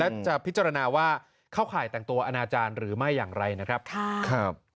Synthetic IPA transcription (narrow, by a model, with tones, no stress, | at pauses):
lɛ˦˥t͡ɕa˨˩pʰi˦˥t̪t͡ɕa˧ɾa˧naː˧waː˥˩ | kʰaː˥˩wkʰaː˩˦jt̪ɛ˨˩ŋt̪u˧ɐʔa˧naː˧t͡ɕaː˧nɾɯː˩˦ma˥˩jːaː˨˩ŋɾa˧jna˦˥kʰɾa˦˥p̚kʰa˥˩˥kʰɾa˦˥p̚